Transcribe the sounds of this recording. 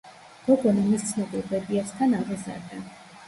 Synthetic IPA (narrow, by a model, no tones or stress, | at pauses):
b̥ɔɡɔnɔmist̪sʰnɔbilˠpʼɛd̪iɛst̪ʰanavɛza̰ɾd̪ɛ